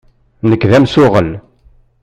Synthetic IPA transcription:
nəkːðæmsʊʁəl

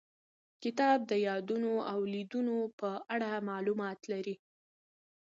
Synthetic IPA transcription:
kɪt̪ɑb̚d̪əjɑd̪unoawlid̪unopəaɽamɑlumɑt̪laɾi

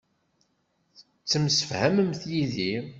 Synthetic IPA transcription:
t͡sːəmsə̥fhæməmθjiði

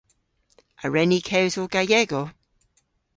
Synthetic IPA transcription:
aɹɛnikʰɛwzoɡ̥ajɛɡo

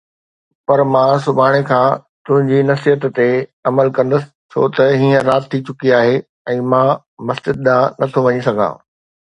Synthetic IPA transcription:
pɐɾmãːsʊbʱaːɽ̃ekʰãːt̪ʊ̃ɦɪ̃ɲd͡ʑinɐsijət̪t̪eɐməlkɐ̃nd̪əsɪ̥t͡ɕʰo̰ːt̪ɐɦiːə̃ɾaːt̪ʰːit͡ɕʊkiaːɦe | ɛ̃ːmãː | mɐst͡ɕɪd̪̚d̪ãːnɐt̪ʰoʋɐɲisɐɡ̪ʱã̰ː

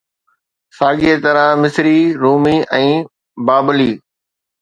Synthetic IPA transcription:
saːɡiet̪ɐɾãmɪsɾiɾuːmiʔɛ̃ː | baːbəliː

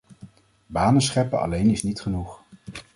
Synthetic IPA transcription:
baːnənsχɛpəɑ̰lejnɪsnitχənuχ

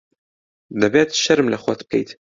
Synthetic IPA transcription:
d̪ɐbeːt̪ʃɐɾɨmlɐxʷɐt̪̚kʰḛjt̪

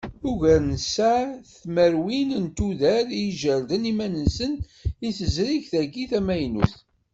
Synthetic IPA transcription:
ʊʝəɾnəsæθməɾwinənt̪uðæɾijʒəɾd̪ənimænənsən | iθəzɾiʝθæɡiθæmæjnṵθ

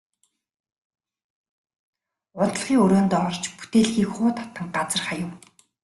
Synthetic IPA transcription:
ʊt̪ə̆ɮ̆χiːŋɵɾoːnt̪ɔːɔrt͡ɕpu̥t̪eːɮxiːkχʊːt̪ʰḁt̪ə̆ŋɢat͡sə̆rχajə̆w

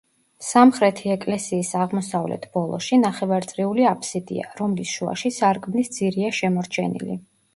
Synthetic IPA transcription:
samχɾɛt̪ʰiɛkʼlɛsiːsaʁmɔsavlɛ̰t̪ʰb̥ɔlˠɔ̰ʃinaχɛvaɾt̪sʼɾiuliapʰsid̪ḭa̰ɾɔmlisʃua̰ʃisaɾkʼmnisd̪z̥iɾiaʃɛmɔɾt͡ʃʰɛnḭli

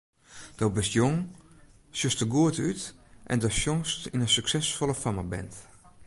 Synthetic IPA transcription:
d̥ɔbɪsjoŋ | sjøstəɡuətytʔɛ̰ndɔsjoŋstinəsyksɛsfɔlˠəfaməbɛ̰nt

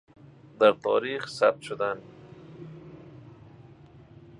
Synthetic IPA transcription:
d̪aɾt̪ʰɔ̰ɾiχsa̰b̚t̪ʃʊd̪an

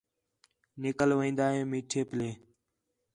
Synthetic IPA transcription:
nɪkəlʋeĩːnd̪aːɦẽːmiːʈʰeːpleː

